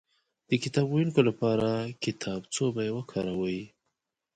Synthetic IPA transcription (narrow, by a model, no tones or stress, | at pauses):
d̪̥əkɪt̪ɑbɣujunkolapɑɾakɪt̪ʰɑbt͡sobajewəkʰɑɾawəji